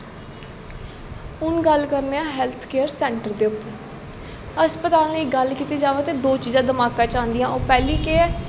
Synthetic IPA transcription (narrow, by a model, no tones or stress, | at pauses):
ʊnɡəlkəɾneːãːɦɛːlt̪ʰkeːəɾsɛ̃ːɳʈəɾd̪eːʊpːəɾ | əspət̪aːlnəiːɡəlkiːt̪iːd͡ʒaːʋeːt̪eːd̪oːt͡ʃiːzãːd̪əmaːkãːt͡ʃãːnd̪ijãːoːpɛːliːkeː